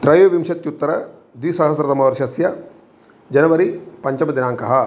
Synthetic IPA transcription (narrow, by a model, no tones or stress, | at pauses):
t̪ɾɐjʋɐʋimʃɐt̪jut̪ːɾɐ | d̪ʋisɐɦɐsɾɐt̪ɐmɐʋɐɾʃɐsjɐ | d͡ʒɐnɐʋɐɾipɐɲt͡ʃɐmɐd̪inaːŋkɐɦɐ